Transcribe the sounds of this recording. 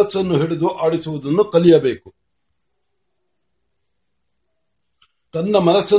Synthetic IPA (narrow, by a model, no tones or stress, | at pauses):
ɐsːɐnːuɦeɭid̪uʔaːɽisuʋud̪ɐnːukɐlijɐbe̞ːku | t̪ɐnːɐmɐnɐsːɐ